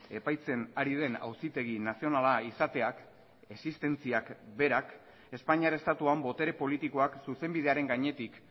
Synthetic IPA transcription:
e̞pajt͡se̞naɾið̞e̞na̰wsit̪e̞ɣ̞inasio̞nalaisat̪e̞ak | e̞sist̪e̞nt͡siakbe̞ɾak | e̞spaɲiaɾest̪at̪uambo̞t̪e̞ɾe̞po̞lit̪iko̞aksuse̞mbið̞e̞aɾe̞ŋɡaɲe̞t̪ik

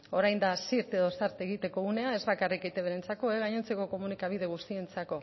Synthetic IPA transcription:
o̞ɾajnd̪asiɾt̪e̞ðo̞saɾt̪e̞ɣ̞it̪e̞koɣune̞ae̞zβakariket̪e̞βeɾent͡sako̞eɣ̞aɲont͡se̞ko̞ko̞munikaβ̞ið̞e̞ɣ̞ust̪ie̞nt͡sako̞

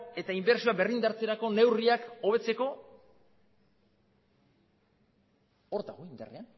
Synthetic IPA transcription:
e̞t̪aimbe̞ɾsioabe̞rind̪aɾt͡se̞ɾako̞ne̞wriako̞β̞e̞t͡se̞ko̞ | oɾt̪aɣoind̪a̰ria

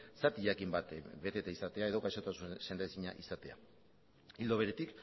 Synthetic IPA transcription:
sat̪iʎakimbat̪be̞t̪e̞t̪eisat̪e̞ae̞ð̞o̞ɣajʃo̞t̪asuse̞nd̪esiɲa̰ʔisat̪e̞a̰ | ild̪oβe̞ɾe̞t̪ik

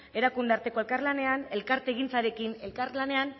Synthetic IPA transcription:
e̞ɾakund̪eaɾt̪e̞ko̞elkaɾlane̞ane̞lkaɾt̪eɣ̞int͡saɾe̞kine̞lkaɾlane̞an

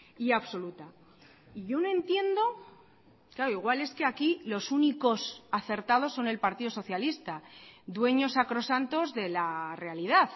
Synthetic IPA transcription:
iaβso̞lut̪a | iʝo̞noẽ̞nt̪je̞nd̪o̞ | klaɾoiɣ̞wale̞ske̞akilo̞suniko̞saθe̞ɾt̪að̞o̞sːo̞ne̞lpaɾt̪iðo̞so̞θjalist̪ad̪we̞ɲo̞sakɾo̞sant̪o̞zðe̞lare̞alið̞aθ

